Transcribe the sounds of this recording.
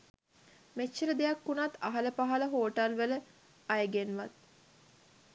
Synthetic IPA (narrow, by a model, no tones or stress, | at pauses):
met͡ʃːəɾəd̪ejɐkːunat̪ɐɦɐləpaɦɐləɦoːʈɐlʋələ | ɐjəɡenʋɐt̪̚